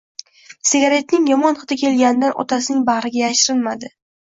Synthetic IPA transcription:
sɪɡʲaɾe̞t̪nɪŋjɒmɒnɨd̪akʲʰe̞lɡʲanɪd̪anʔɒ̰t̪ʰasɪnɪŋbahɾɪɡʲajaʃɾɪlmad̪ɪ

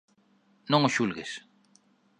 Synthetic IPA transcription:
nõŋoʃulɣes

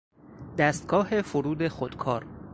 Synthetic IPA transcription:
d̪æst̪̚ɡ̥ɒːhe̞foɾuːd̪e̞xod̪̥kʰɒːɾ

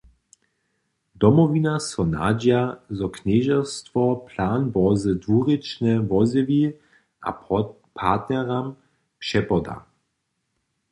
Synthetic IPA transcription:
d̪ɔmɔvinasɔna̰d͡ʒjazɔknɛʒɛst̪vɔpʰlaːnbɔzədvuʁit͡ʃnɛvɔzɪvi | ʔa̰ | pʰat̪nɛʁam | pʃɛpɔd̪a̰

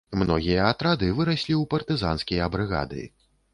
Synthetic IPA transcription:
mnɔɣʲijɐːt̪ɾad̪ɨvɨɾasʲlʲiwpɐrt̪ɨza̰nskʲijɐbɾɨɣa̰d̪ɨ̰

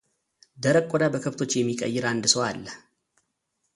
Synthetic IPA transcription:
d̪əɾəkʼːod̪abəkʰəβt̪ʰo̞t͡ʃːjɛmːikʼə̰jːɪɾand̪ɨsoalːə

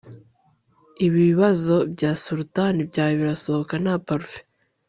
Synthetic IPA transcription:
iβiβazo̞bɟaːsuɾutanibɟaːjoβiɾaso̞hokanapaɾfe̥

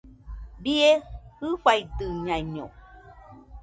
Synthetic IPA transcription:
biehɯɸaid̪ɨɲãiɲo̰

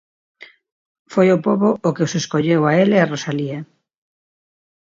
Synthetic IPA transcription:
fojopoβoʔokeoseskoʎewaelearosalia

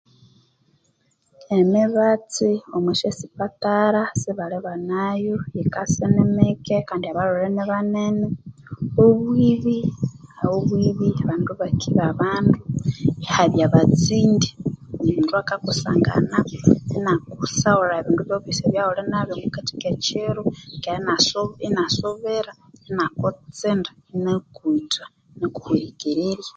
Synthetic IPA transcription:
emiβat͡siomuʃesi̥pataɾasiβaleβanajoikasenemekekaːndiaβaɾoɾeneβanene | oβwiβiawoβwiβiaβaːnduβakʰiβaβaːnduehaβjaβat͡siːndi̥neβiːnduakakusa̰ːŋɡa̰naenakusaoɾaeβiːnduβjoβiseβjaholenaβemukati̥ket͡ʃeɾokeɾanasoenasoβeɾa | enakot͡sendḁ | nekuitwa | neku̥huɾikiɾiɾja

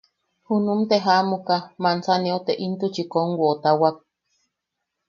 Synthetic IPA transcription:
hunumt̪eɦamukamansaneot̪eʔint̪ut͡ʃikoŋɡuot̪awak̚

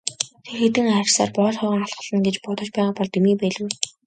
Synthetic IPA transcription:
t̪ʰerxet̪ɘ̆ŋaɾʲɪ̆ɮsa̰ːrpɔːɮχœʁɞ̆ŋaɮɢə̆ɮə̆nɡet͡ɕpʊt̪ɞ̆t͡ɕpæːʁaːpɔɮt̪emiːpæɮɘ̆

